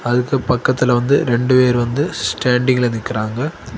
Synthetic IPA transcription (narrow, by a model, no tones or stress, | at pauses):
ɐðɯkːɯpɐkːɐt̪ːɪlʋɐnd̪ɯɾɛɳɖɯʋeːɾɯʋɐnd̪ɯsʈaːɳɖɪŋɡɐɪlɐnɪkːɪɾaːŋɡɐ